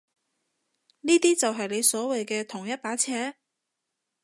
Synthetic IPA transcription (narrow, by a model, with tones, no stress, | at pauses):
niː˥t̪iː˥t͡sɐ˨wɦɐ˨jle˨˧jsɔː˨˥wɐ˨jkɛː˧t̪ʰʊ˨˩ŋjɐ˥t̚paː˨˥t͡sʰɛː˨˥